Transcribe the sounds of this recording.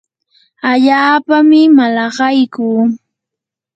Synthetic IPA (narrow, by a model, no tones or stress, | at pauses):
aʎaːpamɪmalɑɢɑjkuː